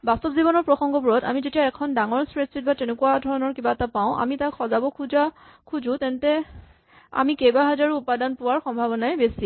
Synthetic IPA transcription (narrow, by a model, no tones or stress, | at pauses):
bastɔpzibɔnɔɹpɹɔxɔŋɡɔbuɹɔta̰mizetijaɛkʰɔndaŋɔɹsɹesitbatenekuwadʱɔɹɔnɔɹkibaɛtapaʊ̃ʔa̰mitakʰxɔzabɔkʰuza | kʰuzũtɛntɛ | a̰mikejbaɦazaɹuupadanpʊwaɹxɔmbʱabɔnajbesi